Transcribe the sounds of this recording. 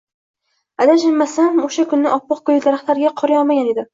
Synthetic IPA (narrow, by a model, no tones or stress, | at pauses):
ad̪aʃɪmmːasamoʃakʰʊnːɪʔɒpʰːɒq̚kojd̪aɾaχt̪laɾɡʲaqʰɒɾɪjɒlˠmaɡʲaned̪ɪ